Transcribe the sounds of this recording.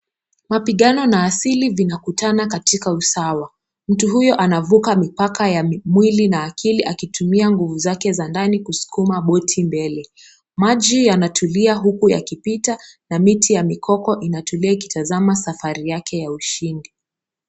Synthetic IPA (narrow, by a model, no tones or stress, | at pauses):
mapiɠanɔnaːsilivinakutanakatikausawa | m̩tuɦujɔʔanavukamipakajamwilinaːkʰiliʔakitumiaŋɡuvuzakɛzandanikusu̥kumaɓɔtʰimbɛlɛ | maʄijanatʰuliaɦukuja̰kipitanamitʰijamikʰɔkɔʔinatuliaiki̥tazamasafaɾijakʰɛjauʃindi